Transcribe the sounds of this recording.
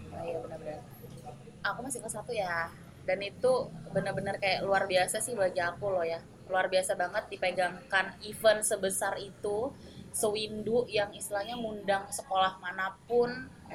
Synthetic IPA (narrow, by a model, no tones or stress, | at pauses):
jabənəbənə | akumasɪŋkəsat̪uja | danit̪ubənərbənərkajaʔluarbiasasɪhbaɡiakulɔhja | luarbiasabaŋət̪̚dipeɡaŋkanifənsəbəsarit̪u | səwindʊʔjaŋist̪ilaɲamundaŋsəkolahmanapʊn